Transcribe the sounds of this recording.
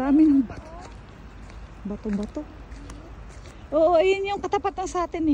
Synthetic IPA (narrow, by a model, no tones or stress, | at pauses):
aːmɪnɐŋbat̪o | bat̪obat̪o | ʔoːʔojʊnjoŋkɐt̪apat̪ansɐʔaːt̪ɪnɪ